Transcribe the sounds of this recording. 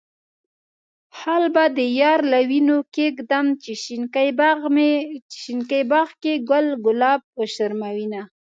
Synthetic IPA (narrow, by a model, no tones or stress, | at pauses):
halbad̪əjɑɾlawinokeɡd̪amt͡ʃiʃinkajbme̥ʃinkajbɑɣkeɡʊlɡʊlɑb̚pəʃaɾmawina